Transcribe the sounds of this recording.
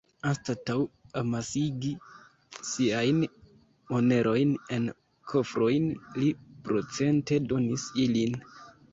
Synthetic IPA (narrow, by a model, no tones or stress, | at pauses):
anstatawamasiɡi | siajn | o̞ne̞ɾʔo̞jne̞n | kʰo̞fɾo̞jnlipɾo̞t͡se̞nte̞do̞nisilin